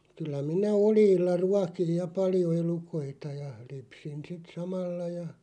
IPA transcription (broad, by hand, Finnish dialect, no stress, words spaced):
kylːæ minæ olj̆iːlːɑ ruɑkij jɑ pɑljo elukoitɑ jɑ lypsin sit sɑmɑlːɑ jɑ